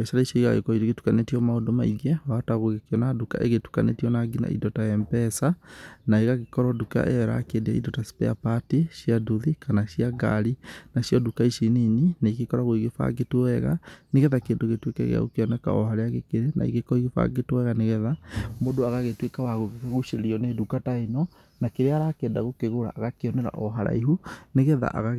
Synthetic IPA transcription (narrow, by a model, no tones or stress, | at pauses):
ɛʃaɾaiʃɔiɣaɣḛkɔiɾeɣetu̥kanetiɔmaodomaiɡɛataɣoɣekeɔnaduka̰ʔḛɣetu̥ka̰nḛtiɔnaɡina̰ḭdɔtajɛmpɛsanaeɣaɣekɔɾɔduka̰ʔɛɛɾa̰kedea̰ḭdɔtaspɛ̰apatiʃiaduðikanaʃiaɡa̰ɾinaʃjɔdukaiʃinininaikekɔɾaɣoiɣefa̰ɣetoɛɣa̰neɣɛðakeːndoɣetwekɛ̰ɣḛa̰ɣo̰keɔnɛka̰ɔhaɾeaɣekeɾena̰ḭɣekɔiɣefa̰ɣetwɛɣaneɣɛðamodoaɣaɣetwekawaɣoɣekaɣouʃeɾeɾiɔnedukatainɔ | nakeɾeaɾakɛːndaɣokeɣoɾa̰ʔːɣakeɔnɛɾa̰ʔɔɦaɾa̰iɦuneɣɛða̰ʔa̰ɣa